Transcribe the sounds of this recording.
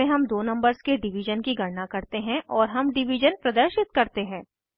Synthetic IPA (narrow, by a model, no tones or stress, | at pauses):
ẽɦɐmd̪oːnɐ̃mbəɾzkeɖɪʋɪʒənkiɡʱɐɽnakɐɾt̪eɦɛ̃ʔɔːɾɦɐmɖɪʋid͡ʒənpɾɐd̪əɾʃɪt̪̚kɐɾt̪eɦɛ̃ː